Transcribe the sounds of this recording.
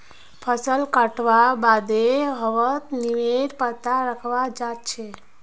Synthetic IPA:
pʰəsəlkəʈʋabad̪eɦəʋət̪niʋeɾpət̪aɾəkʰʋad͡ʒat̪̚t͡ʃʰe

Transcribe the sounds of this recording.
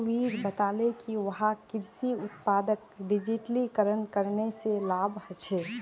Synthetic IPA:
ʋiːɾbət̪aːlekiʋɐɦakɪɾsiʊt̪paːd̪ək̚ɖɪd͡ʒiʈlikəɾənkəɾneselaːbʱhət͡ʃʰeː

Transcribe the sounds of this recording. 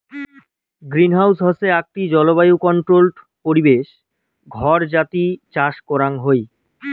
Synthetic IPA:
ɡɾinɦawsɦɔseak̚ʈid͡ʑɔloβajukɔɳʈɾolʈ | poɾibeʃ | ɡʱɔɾd͡ʑat̪it͡ɕaʃkɔɾaŋɦoj

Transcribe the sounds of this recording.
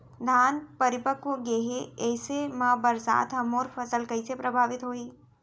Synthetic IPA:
d̪ʱaːnpɐɾɪpəkʋoɡeːɦeɛːsemãːbəɾsa̰ːt̪ɦɐmoːɾpʰɐsəlkɐɪsepɾɐbʱaːʋɪt̪ɦoːiː

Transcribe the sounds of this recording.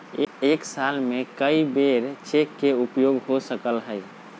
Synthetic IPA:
eksalmekəibeɾt͡ʃekːeupjoɡɦosəkəlɦəj

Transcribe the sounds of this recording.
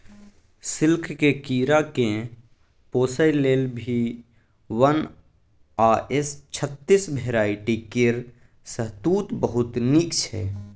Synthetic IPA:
sɪlkʰkekiːɾakẽ | poːsəjleːlbʱi | ʋən | aʔest͡ʃʰət̪ːisbʱeɾaːiʈikɪɾ | səɦt̪uːt̪bəɦʊt̪nikt͡ʃʰɛ̰

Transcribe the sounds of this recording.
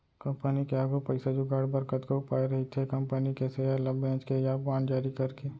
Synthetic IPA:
kɐ̃mpənikeaːɡupɐɪsad͡ʒuɡaːɽbəɾkət̪koʊpaːeɾɐɦit̪ʰekɐmpənikesejalɐbɾɛ̃ːt͡ʃkejabaːnd͡ʒaːɾikɐɾkeː

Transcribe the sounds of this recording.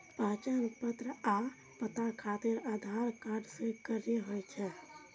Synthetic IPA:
pəːt͡ʃənpət̪ɾəa | pət̪akʰat̪ɪɾad̪ʱaɾkaɾɖsẽɡəɾeɦojt͡ʃʰɛ

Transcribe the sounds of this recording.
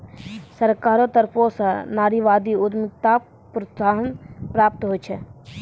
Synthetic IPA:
sɐɾkaːɾot̪əɾposanaːɾiʋaːd̪iʊd̪mɪk̚t̪a | pɾət̪saːɦənpɾaːp̚t̪ɦot͡ʃʰɛ

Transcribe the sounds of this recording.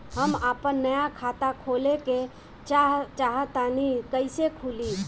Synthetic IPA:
ɦəmaːpənːəjakʰaːt̪akʰoːleke | t͡ʃt͡ʃaːɦət̪aːnikəɪsekʰuːli

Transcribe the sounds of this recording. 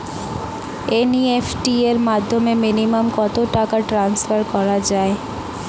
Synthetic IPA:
eniefʈieɾmad̪ʱːomeminimamkɔt̪oʈakaʈɾansfaɾkɔɾad͡ʑae

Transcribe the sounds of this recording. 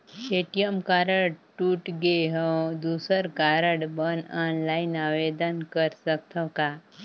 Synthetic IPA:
eːʈijəmkaːɾəɽɖʈuːʈɡeɦə̃wd̪uːsəɾkaːɾəɖbənaːnlaːɪnaːʋeːd̪ənkəɾsək̚t̪ʰə̃kaː

